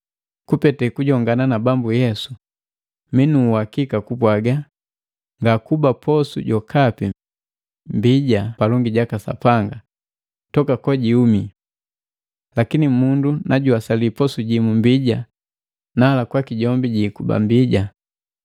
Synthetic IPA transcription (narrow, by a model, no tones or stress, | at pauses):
kupɛtɛkuɟɔŋɡananabambujɛsu̥ | minuhakikakupwaɡa | ŋɡakubapʰɔsṵɟɔkʰapi | mbiɟapalɔŋɡiɟakasa̰paŋɡa | tɔkakɔɟiumi | lakinimundunaɟuasalipɔsuɟimumbiɟa | nalakwakiɟɔmbiɟiːkuba̰mbiɟa